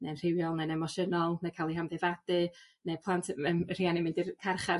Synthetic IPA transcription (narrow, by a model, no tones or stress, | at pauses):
nenr̥ɪwjɔlˠnɛnɛmɔʃənɔlˠnɛkʰalˠihamðevad̥ɨ | nepʰlˠantʰəmr̥ianɪmɪndirkʰarχa